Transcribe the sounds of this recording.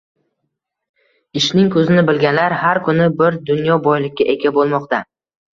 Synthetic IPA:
ɪʃnɪŋkʰɵzɪnɪbɪlɡʲanlaɾhaɾkʰʊnɪbɪɾd̪ʊnjɒbɒjlɪkʲːaʔeɡʲabolˠmɒqt̪ʰa

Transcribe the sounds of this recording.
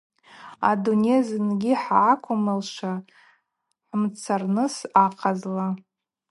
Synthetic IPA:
a̰dunezɨnɡʲiħaːkʷʰʊmɨlʂa | ħmt͡sʰarnɨsaqʰazla

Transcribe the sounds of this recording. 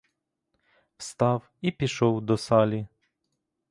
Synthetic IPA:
wst̪ɑw | ipʲiʃɔwd̪ɔsɑlʲi

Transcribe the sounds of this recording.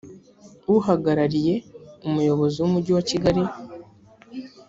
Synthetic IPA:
uɦaɡaɾaɾije̞umujo̞βo̞ziwumuɟiwaciɡaɾi

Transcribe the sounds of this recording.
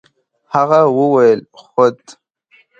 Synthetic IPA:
haɣawəwajəlxʊd̪

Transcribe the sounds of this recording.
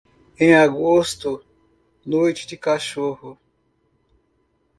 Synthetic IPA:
ẽj̃aɡost̪ʊ | nojt͡ʃɪd͡ʒɪkaʃohʊ

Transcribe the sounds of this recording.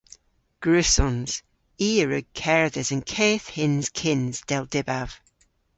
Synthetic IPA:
ɡ̥ɹʉsɔ̃nz̥ | iːəɹʉɡ̚kʰɛɹəðəzə̃nkʰeːθhɪ̃nz̥kʰɪ̃nz̥d̥ɛlˠdɪbav̥

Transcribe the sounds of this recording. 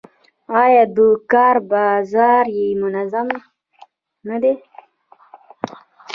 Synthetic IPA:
ɑjɑd̪əkɑɾbɑzɑɾjemʊnazam | nad̪e

